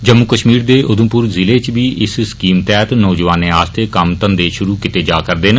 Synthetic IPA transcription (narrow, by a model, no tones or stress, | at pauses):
d͡ʒəmːukəʃmiːɾd̪eːʔʊd̪ʊ̃mpʊɾzɪleːt͡ʃʋiːʔɪsɪskiːmt̪ɛːt̪nɔːd͡ʒəʋaːneːaːst̪ʰeːkəmt̪ənd̪eːʃʊɾuːkɪt̪eːd͡ʒaːkəɾd̪eːn